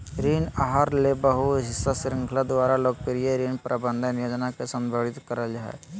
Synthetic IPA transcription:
ɾiːnaɦaɾlebəɦuɦɪsːasɾɪ̃ŋkʰlad̪ʊaːɾaloːk̚pɪɾijeɾiːnpɾʔabə̃nd̪ʱənjoːd͡ʒnakesə̃mbʱoːɽɪt̪kəɾəld͡ʒaɦɛ̰

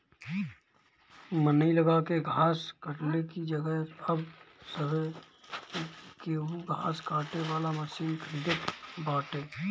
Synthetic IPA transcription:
mənəiləɡakeɡʱaːskəʈlekid͡ʒəɡəɦəb | səbe | keɦuɡʱaːskaːʈeʋaːlaməsiːnkʰɾiʈɪʈbaːʈeː

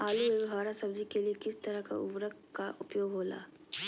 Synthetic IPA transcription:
aːlueɦaːɾasɐbd͡ʒikeliekɪst̪ɐɾəka̰ʊ̰ʋɾək | kaʔʊpjoːɡɦoːla̰ː

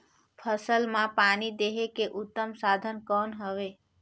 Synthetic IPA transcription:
pʰəsəlmãpaːnid̪eɦekeʔʊt̪ːəmsad̪ʱənkɔːnɦəʋe

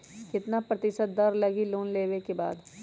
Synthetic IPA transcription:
kɪt̪napɾɐt̪ɪʃət̪̚d̪ɐɾlɐɡiloːnleːwekeba̰ːd̪

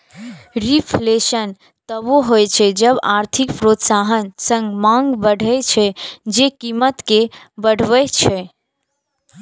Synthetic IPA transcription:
ɾipʰleʃən | t̪əboɦojt͡ʃʰɛd͡ʒəbaɾt̪ʰikpɾot̪saɦənsə̃ŋɡmãŋɡbəɽ̤ʱət͡ʃʰɛd͡ʒekimət̪ke | bəɽ̤ʱʋət͡ʃʰɛ

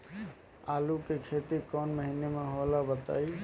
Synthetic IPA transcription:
alukekʰet̪iɾkɔnməɦinemeɦolabət̪a̰ːi

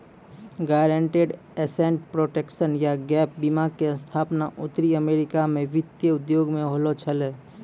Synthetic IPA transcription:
ɡaɾẽɳʈeɖ | eseɳʈpɾoːʈekʃənjaɡɛːp̚ʰbimaɡ̚keə̃nst̪ʰaːpnaʔʊt̪ɾiəmeːɾɪkamẽʋɪt̪jəʊd̪joːɡmẽɦolot͡ʃʰəleː

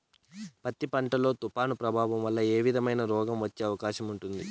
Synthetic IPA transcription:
pɐt̪ːipɐɳʈɐlo̞ːt̪upaːnupɾɐbʱaːʋɐmʋɐlːɐe̞ːʋid̪ʱɐmɐjnɐɾɔːɡɐmʋɐt͡ʃːeːɐʋɐkaːʃɐmuɳʈund̪ḭ

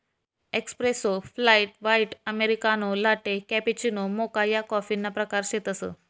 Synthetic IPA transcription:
ekspɾesoflaiʈʋaiʈəmeɾikanolaʈekɛpit͡ɕinomokajakɔfinːapɾəkaɾɕet̪əsə̰

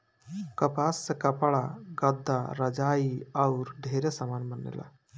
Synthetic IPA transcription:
kəpasːekəpɭaɡəd̪ʱːaɾəd͡ʒaːiəʊɾɖʱeɾesəmanmənːḛla̰

